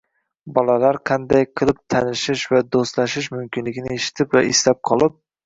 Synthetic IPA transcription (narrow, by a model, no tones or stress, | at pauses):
bɒlalaɾqʰɑnd̪ajqʰɨlˠɪp̚t̪ʰanɪʃɪʃvad̪ost̪laʃɪʃmʊmkʲɪnlɪɡʲɪnɪeʃɪ̥t̪ʰɪpvaɪslap̚qʰɒlˠɪp̚